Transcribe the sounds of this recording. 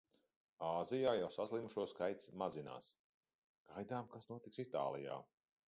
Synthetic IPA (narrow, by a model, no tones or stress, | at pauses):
aːzijaːjawsazlˠimuʃuɔskajt̪smazina̰ːs | ɡ̥ajd̪aːmkasnuɔt̪iksit̪a̰ːlˠḭja̰ː